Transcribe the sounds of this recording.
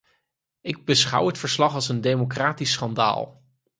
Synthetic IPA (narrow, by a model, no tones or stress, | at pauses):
ɪɡ̚bəsχʌ̰wɦətfəɹslɑχɑlˠsəndejmokraːtisːχɑnda̰ːlˠ